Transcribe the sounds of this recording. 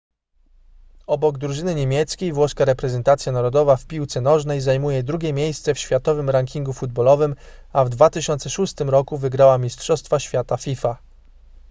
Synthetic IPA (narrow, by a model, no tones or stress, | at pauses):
ɔbɔɡd̪ɾuʐɘnɘɲemʲjɛt̪skʲejvwɔskaɾɛpɾɛzɛnt̪at̪sʲjanaɾɔd̪ɔvafpʲiwt̪sɛnɔʐnɛjzajmujɛd̪ɾuɡʲɛmʲjejst̪sɛfɕfʲjat̪ɔvɘmɾaŋkʲiŋɡufud̪̚bɔlɔvɘmavd̪vat̪ɘɕɔnt̪sɛʂust̪ɘmɾɔkuvɘɡɾawamʲistʂɔst̪faɕfʲjat̪afʲifa